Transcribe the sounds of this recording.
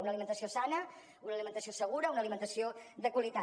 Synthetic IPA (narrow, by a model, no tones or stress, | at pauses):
unəlimənt̪əsiosanə | unəːlimənt̪əsiosəɣ̞uɾəunəlimənt̪əsiod̪əkwəlit̪a